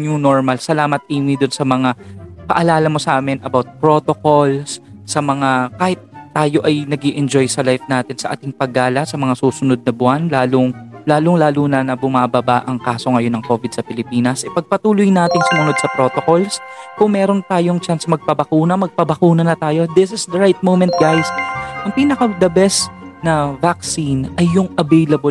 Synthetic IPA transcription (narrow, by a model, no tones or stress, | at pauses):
ɲʊno̞ɹmɐlsɐlaːmɐt̪̚ʔiːmid̪ʊnsɐmɐŋapɐʔɐlaːlɐmo̞sɐʔaːmɪnɐbawt̪̚pɾo̞ːt̪okolsː | ɐmɐŋakaːhɪt̪ːaːjo̞ʔɐjnɐɡiʔɛnd͡ʒo̞jsɐlajfnaːt̪ɪnsɐʔa̰ːt̪ɪŋpɐɡaːlɐsɐmɐŋasuːsʊno̞d̪̚nɐbʊanlaːloŋlaːloŋlaːluːnɐnɐbʊmabɐbaʔɐŋkaːso̞ŋɐjo̞nɐŋko̞ːvɪd̪̚sɐpɪlɪpiːnɐsʔɛpɐɡ̚pɐt̪uːlʊjnaːt̪ɪŋsʊmʊno̞d̪̚sɐpɾo̞t̪oko̞lskʊŋmɛːɾo̞nt̪aːjoŋt͡ʃansmɐɡ̚pɐbɐkuːnɐmɐɡ̚pɐbɐkuːnɐnɐt̪aːjo̞d̪ɪsɪsd̪ɐɹajt̪̚mowmɛ̃nt̪̚ɡajsʔɐŋpiːnɐkɐd̪ɐbɛsnɐvak̚sinɐjːʊŋɐvɛjlɐbo